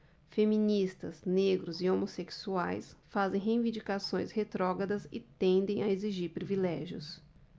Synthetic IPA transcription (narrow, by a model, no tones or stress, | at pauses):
femĩnist̪ɐzneɡɾʊzɪomoseksuajsfazẽj̃ɦẽj̃vĩnd͡ʒikasõj̃shet̪ɾɔɡɐd̪ɐsɪt̪ẽnd̪ẽj̃aeziʒiɾpɾivilɛʒiʊ̰s